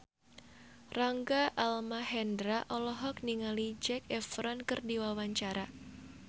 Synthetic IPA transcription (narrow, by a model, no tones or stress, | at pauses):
raŋɡaʔalmaɦɛndɾaʔɔlɔɦɔk̚niŋalid͡ʒɛkɛfɾɔnkɨrdiwawaɲt͡ʃaɾa